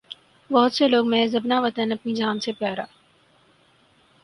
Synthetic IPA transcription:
bɔɦʊt̪seloːɡmɛ̃ːzɐbnaʋɐt̪ənɐpnid͡ʒaːnsepɛːɾaː

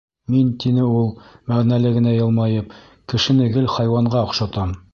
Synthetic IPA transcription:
mint̪inɘulˠmæʁnælɘɡɘ̆næjɤ̆lˠmɑjɤp̚ | kɘ̆ʃɘ̆nɘ̆ɡɘlχɑjwɑɴɢɑŏχʃɑt̪ɑm

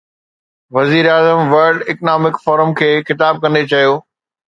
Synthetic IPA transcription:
ʋɐziːɾaːzəmʋɐɾɖɪknaːmɪkfɔːɾəmkʰeːxɪt̪aːb̚kɐ̃nd̪et͡ɕɐjoː

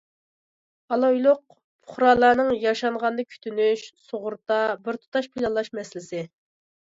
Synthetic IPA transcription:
ɑlˠojlˠʊq̚ | pʰʊ̥χɾɑlˠɑːnɨŋjɑʃɑɴʁɑnd̪ɑkʲʰy̥t̪ʰynyʃsoʁʊɾt̪ɑbɪɾt̪ʰu̥t̪ɑʃpʰilˠɑlˠːɑʃmɛslɪsɪ

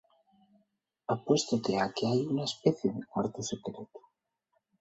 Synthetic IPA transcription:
apwe̞st̪ot̪eakeajunaespeθjeðekwaɾt̪osekɾet̪u̥

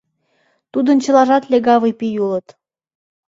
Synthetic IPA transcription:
t̪ud̪ənt͡ɕə̆lɑʒɑt̪lʲeɡɑβɤjpijulət̪

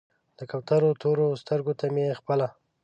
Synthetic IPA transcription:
d̪̥əkap̚t̪aɾot̪ʰoɾost̪əɾɡot̪ameexpəla

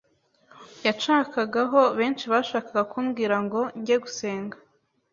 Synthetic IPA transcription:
jat͡ʃaːkaɡaɦo̞βe̞ːnt͡ʃiβaʃaːkaɡakʰuːmɡiːɾaŋɡo̞ɲɟeɡuse̞ːŋɡa

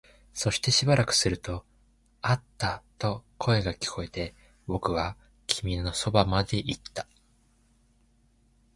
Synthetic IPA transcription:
so̞ɕi̥t̪e̞ɕibaɾakɯ̟̥sɨɾɯ̟t̪o̞ | at̪ːat̪o̞kʰo̞e̞ɡakʲi̥kʰo̞e̞t̪e̞ | bo̞kɯ̟βa | kʲʰimʲino̞so̞bamad̪e̞ʔit̪ːḁ

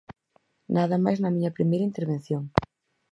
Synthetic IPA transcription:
nʔaðɐmajznɐmĩɲɐpɾimejɾɐint̪eɾβẽn̟θjoŋ

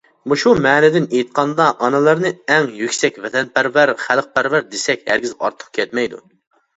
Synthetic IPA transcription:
muʃumɛːnɪd̪ɪnejit̪̚qʰɑnd̪ɑʔɑnɨlˠɨɾnɨɛŋjykʲsɛkʲvɛt̪ʰɛnpæɾvæɾχælˠq̚pæɾvæɾd̪esɛkʲhæ̰ɾɡʲizɑ̰ɾt̪ʰːə̥q̚kʲʰɛt̪mɛjd̪ṵ

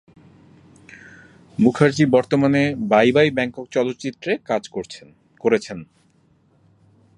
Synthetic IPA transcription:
mukʰaɾd͡ʑibɔɾt̪omanebajbajbɛŋkokt͡ɕɔlot̪ːt͡ɕit̪ːɾekad͡ʑo | koɾet͡ɕʰen

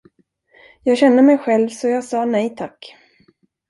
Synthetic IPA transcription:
jɑːɡɕɛnːəmɛjɧɛlvsɔjɑːɡsɑːnɛjt̪ʰakː

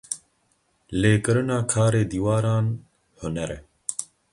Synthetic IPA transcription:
leːkɨɾɨnaːkʰaːɾeːd̪iːwaːɾaːn | hʊnɛɾɛ

